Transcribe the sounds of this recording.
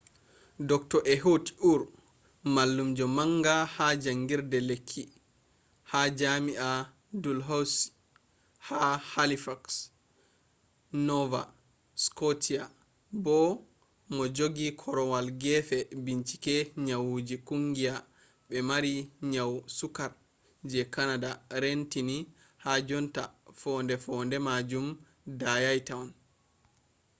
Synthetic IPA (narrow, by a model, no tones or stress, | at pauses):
dɔktɔʔɛɦoti̥ʔuɾ | malːumd͡ʒɔmaŋɡahad͡ʒaŋɡiɾdɛlekʰːi | had͡ʒamiʔa | dulɦaws | hahalifaks | nɔva̰ | skotʰia | bɔ | mɔd͡ʒoɡikʰɔɾɔwalɡɛfɛbiɲt͡ʃi̥kɛɲawud͡ʒikuŋɡija | ɓɛmaɾiɲawsukaɾ | d͡ʒɛkanadaɾentini | had͡ʒɔntafɔndɛfɔndɛmad͡ʒum | dajajtawn